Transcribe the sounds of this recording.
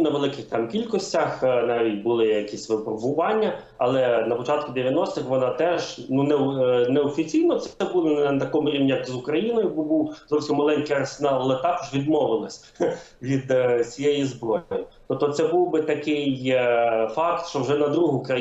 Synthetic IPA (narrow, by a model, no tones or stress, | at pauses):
nɐʋelˠɪkɪxt̪ɑmkʲilʲkɔsʲtʲɐxnɑʋʲitʲbʊlˠɪjɐkʲisʲʋɪpɾɔbʊʋɑnʲːɐ | ɐlˠɛnɐpɔt͡ʃɑt̪̚kʊd̪eʋʲjɐnɔst̪ɪxʋɔnɑt̪ɛʒnunɛnɛɔfʲit͡sʲijnɔt̪sɛbulˠɔnɐt̪ɐkɔmʊɾʲiʋnʲijɐkzʊkɾɐjinɔjʊbbuwzɔwsʲimmɐlˠɛnʲkɪjɐrsenɑlˠlˠɛt̪ɑkɔ̥ʒʋʲid̪mɔʋɪlˠɪsʲ | ʋʲid̪t͡sʲijejizbɾɔjɔjʊt̪ɔp̚t̪ɔt̪sɛbuwbɪt̪ɐkɪj | fɑkt̪ʃt͡ʃɔwʒɛnɐd̪ɾuɦʊkɾɐ